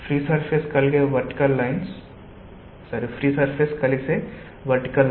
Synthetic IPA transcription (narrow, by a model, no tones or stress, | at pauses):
pʰɾiːsɐɾpʰeskɐlɡeʋɐɾʈkɐlːɐɪns | sɐɾipʰɾiːsɐɾpʰeskɐlise | ʋɐʈkɐl